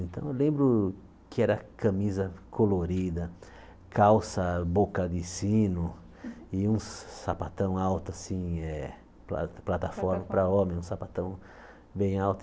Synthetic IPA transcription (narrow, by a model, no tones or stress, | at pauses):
ẽnt̪ɐ̃w̃elẽmbɾʊ | kɪɛɾɐkɐ̃mizɐkʰoloɾid̪ɐ | kʰawsɐbokɐd̪ɪsĩnʊ | ɪũsapat̪ɐ̃w̃awt̪ʊasĩɛ | pla̰plat̪afɔɾmɐpɾɐõmẽj̃ũsapat̪ɐ̃w̃ | bẽj̃awt̪